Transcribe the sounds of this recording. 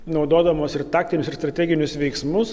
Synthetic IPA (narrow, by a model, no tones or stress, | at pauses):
nɒʊd̪oːd̪ɐmoːsɪɾt̪ɑːk̚t̪ʲɪnʲʊsɪɾst̪ɾɐt̪ʲæːɡʲɪnʲʊsʋʲɛɪksmʊs